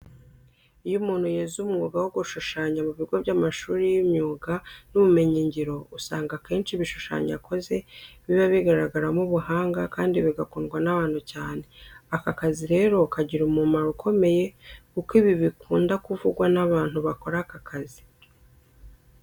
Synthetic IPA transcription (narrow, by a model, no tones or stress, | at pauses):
ijumuːn̥hujezumŋuɡawoɡuʃuʃaːɲamuβiɡo̞vɟamaʃuːɾijimɲuːɡanuβume̞ɲiɲɟiɾo̞usaːŋɡake̞ːnt͡ʃiβiʃu̥ʃa̰ɲa̰kʰo̞ze̞βiβaβiɡaɾaɡaɾamuβuɦaːŋɡakaːndiβiɡakoːnɡwanaβaːn̥hucaːne̞akakaziɾe̞ːɾo̞kaɟiɾumumaɾukʰo̞me̞je̞kukiβiβikuːndakuvuɡwanaβaːnhuβako̞ɾakakʰazi